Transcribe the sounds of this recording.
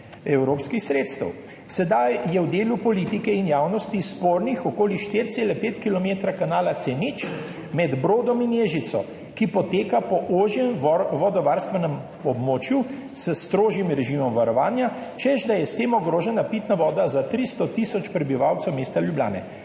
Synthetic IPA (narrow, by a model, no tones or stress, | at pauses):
ɛwɾoːpskixsɾeːt̪st̪ə̰w | sɛd̪ajjɛwd̪eːlupɔlit̪ikɛinjaːwnɔst̪ispoːɾnixɔkoːliʃt̪iːɾt̪seːlɛpeːt̪kilɔmeːt̪ɾakanaːlat̪senit͡ʃ | mɛd̪bɾoːd̪ɔminjeːʒit̪sɔ̰ | kipɔt̪eːkapɔʔoːʒjɛmʋɔd̪ɔʋaːɾst̪ʋɛnɛm | ɔbmoːt͡ʃju | səst̪ɾoːʒimɾɛʒimɔmʋaɾɔʋaːnja | t͡ʃɛzd̪ajɛst̪eːmɔɡɾoːʒɛnapit̪naʋɔːd̪azat̪ɾist̪ɔt̪isɔt͡ʃpɾɛbiʋawt̪sɛwmeːst̪aljublja̰ːnɛ̰